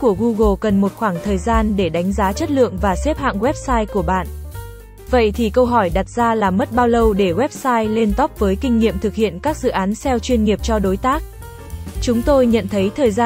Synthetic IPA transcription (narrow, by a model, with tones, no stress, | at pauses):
ku˧˩əɣu˧ɣo˧˩kə˨˩nmo˨˩t̚xwaː˧˩ŋt̪ʰəː˨˩jzaː˧nɗe˧˩ɗa˨˦jŋ̟zaː˨˦t͡ɕə˦˥t̚lɨ̰˧˨əŋvaː˨˩sɛ˦˥p̚ha̰ː˧˨ŋɣwɛ˦˥p̚saː˧jku˧˩əɓa̰ː˧˨n | və̰˧˨jt̪ʰi˨˩kə˧wɦɔ˧˩jɗa˨˩t̚z̥aː˧laː˨˩mə˦˥t̚ɓaː˧wlə˧wɗe˧˩ɣwɛ˦˥p̚saː˧jle˧nt̪ɔ˦˥p̚vəː˨˦jkï˧ŋ̟ŋḭ˧˨əmt̪ʰɨ˨˩k̚hḭ˧˨ənkaː˦˥k̚zɨ̰˧˨ʔaː˨˦nsɛ˧wt͡ɕwi˧ənŋi˨˩əp̚t͡ɕɔ˧ɗo˨˦jt̪aː˦˥k̚ | t͡ɕʊ˨˦ŋ͡mt̪o˧jɲə̰˧˨nt̪ʰə˨˦jt̪ʰəː˨˩jza˧